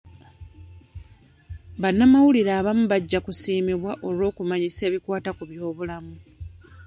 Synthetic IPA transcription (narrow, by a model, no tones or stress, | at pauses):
βanːamawuliɾaːβamuβaɟːakusiːmiβwaʔo̞lwo̞ːkumaɲise̞ːβikwaːtakuβjo̞ːβulamu